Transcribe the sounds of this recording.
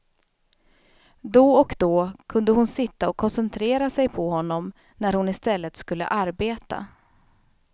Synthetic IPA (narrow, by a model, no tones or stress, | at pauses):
d̪ɔɔkd̪ɔkʰɵnd̪əhʊnsɪt̪ːaɔkʰːɔnsɛnt̪ʰɾeːɾasɛjpʰɔhɔnːɔm | næɾhʊnɪst̪ɛlːət̪skɵlːə̰ʔaɾbeːt̪a̰